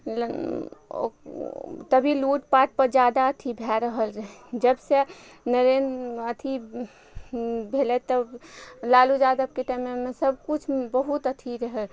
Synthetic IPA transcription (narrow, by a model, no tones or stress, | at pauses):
o̰ | t̪əbʱiluʈpaʈ̚pəɾd͡ʒad̪aət̪ʰibʱɛɾəɦəlɾəɦd͡ʒəbse | nəɾend̪ət̪ʰi | bʱelɛt̪ːəlalud͡ʒad̪əb̚keʈajmemesəb̚kut͡ʃʰbəɦut̪ət̪ʰiɾəɦəl